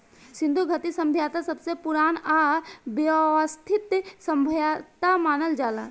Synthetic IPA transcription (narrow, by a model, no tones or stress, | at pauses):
sɪ̃nd̪ʱuɡʱət̪isə̃mbʱjaːt̪asəbsepʊɾaːnabjʋəst̪ʰɪt̪sə̃mbʱjat̪amaːnəld͡ʒaːla̰